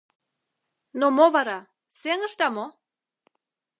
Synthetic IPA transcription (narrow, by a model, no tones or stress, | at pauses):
nomoβɑɾɑ | seŋə̆ʃt̪ɑmo